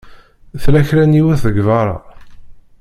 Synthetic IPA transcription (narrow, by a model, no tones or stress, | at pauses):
θlæçɾæniwæθəɡvɑɾˤɑ̰